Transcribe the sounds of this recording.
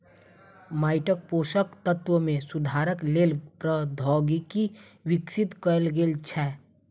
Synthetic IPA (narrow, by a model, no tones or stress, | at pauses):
maːɪʈək̚poːʃəkt̪ət̪wəmẽsʊd̪ʱaːɾəkleːlpɾəd̪ʱɔːɡiki | wɪksɪt̪kəlɡeːlt͡ʃʰɛː